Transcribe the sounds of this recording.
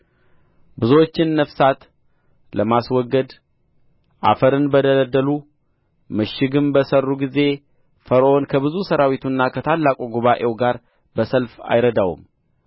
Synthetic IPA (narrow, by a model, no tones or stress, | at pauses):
bɨzwot͡ʃːɪnːəfsat̪ | ləmaswɔɡːəd̪ | ʔa̰fəɾɨnbəd̪ələd̪ːəlu | mɨʃɪɡɨnbəsərːuɡize̞ | fəɾʔo̞nkʰəβɨzusəɾawit̪ʰunːakʰət̪ʰalːakʼuɡuβaʔe̞wɡaɾ | bəsəlfa̰jɾəd̪awṵm